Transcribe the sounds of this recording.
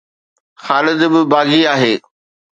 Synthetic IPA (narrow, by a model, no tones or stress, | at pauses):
xaːlɪd̪bɪbaːɡiaːɦeː